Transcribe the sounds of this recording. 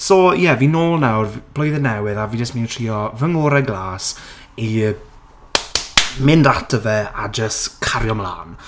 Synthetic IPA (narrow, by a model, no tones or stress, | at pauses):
sɔjɛvinoːlˠnawrvb̥lˠɔjðənɛwɨðaviːd͡ʒəstminntʰr̥iːɔvəŋoːɾɛɡlˠaːs | i | mɪndatʰəvɛad͡ʒəstkʰaɾjɔmlˠa̰ːn